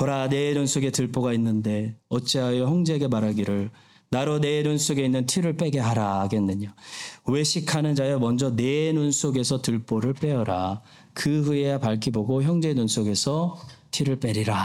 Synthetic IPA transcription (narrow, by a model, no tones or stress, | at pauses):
kʌɾane̞nunsʰoɡe̞tɯɭp͈oɡainːɯnde̞ʌt͡ɕ͈eɦajʌçjʌŋd͡ʑeɡe̞maɾaɡiɾɯɭ | naɾone̞nunsʰoɡe̞inːɯntʰiɾɯɭp͈e̞ɡe̞ɦaɾaɡenːɯɲowe̞ɕʰikʰanɯnd͡ʑajʌmʌnd͡ʑʌne̞nunsʰoɡe̞sʰʌtɯɭp͈oɾɯɭp͈e̞ʌɾa | kɯɦueapaɭkʰiboɡoçjʌŋd͡ʑe̞nunsʰoɡe̞sʰʌtʰiɾɯɭp͈e̞ɾiɾa